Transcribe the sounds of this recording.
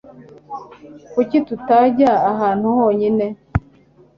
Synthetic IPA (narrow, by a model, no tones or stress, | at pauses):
kucitutaɟaːɦaːn̥huhoːɲine